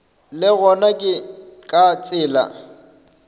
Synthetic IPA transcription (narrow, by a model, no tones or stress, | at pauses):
lɪɣɔnakʼɪkʼat͡sʼɪːla̰